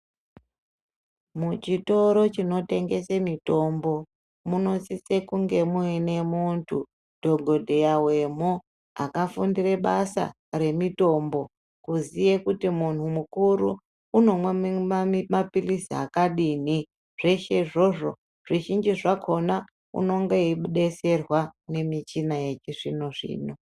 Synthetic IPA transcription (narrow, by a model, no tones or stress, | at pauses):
mut͡ʃito̞ɾo̞t͡ʃino̞te̞ŋɡe̞semito̞mbo̞ | muno̞t͡sit͡se̞kuŋɡe̞muine̞muntʰṵ | d̥ʱo̞ɡʱo̞dʱe̞jawe̞mo | a̰kafundire̞ɓasa̰ | re̞mito̞mbo̞ | kuzijekutimun̤umukuɾuː | no̞mwemaimapilisia̰kaɗiːn̤i | ʐ̥e̞ʃe̞ʐo̞ʐo̞ | ʐ̥iʒind͡ʒiʐakʰo̞na | ṵno̞ŋɡeiɓuɗe̞se̞rwane̞mit͡ʃinajet͡ʃiʐino̞ʐḭːno̞